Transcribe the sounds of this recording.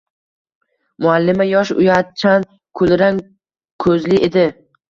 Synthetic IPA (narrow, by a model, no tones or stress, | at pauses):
mʊalːɪmajɒʃʊ̰jat͡ʃʰan | kʰɵlɾan | kʰɵzlɪʔed̪ɪ